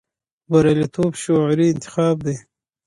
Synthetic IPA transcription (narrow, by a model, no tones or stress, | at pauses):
baɾalit̪ʰoːbʃoʕɾiɪnt̪ɪ̥xɑːb̚d̪e